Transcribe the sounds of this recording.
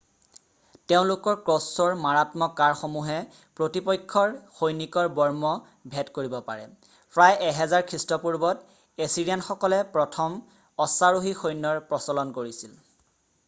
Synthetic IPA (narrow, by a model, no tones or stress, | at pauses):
teʊ̃lʊkɔɹkɹɔsɔɹmaɹatmɔkaɹxomuɦɛ | pɹotipɔjkʰːɔɹxojnikɔɹbɔɹmɔ | bʱɛtkoɹibɔpa̰ɹɛ | pɹajɛɦɛzaɹkʰɹistɔpuɹbɔt | esiɹianxɔkɔlɛpɹɔtʰɔm | ɔsaɹoɦixojnːɔɹpɹɔsɔlɔnkoɹisil